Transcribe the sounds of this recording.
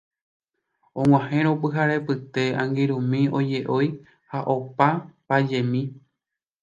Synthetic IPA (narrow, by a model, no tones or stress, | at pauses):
õŋ̃ʷw̃ãhẽɾ̃opɨɦaɾe̞pɨt̪e̞ãŋɡiɾũmĩo̞d͡ʒe̞ʔoj | haʔo̞papad͡ʒe̞mĩ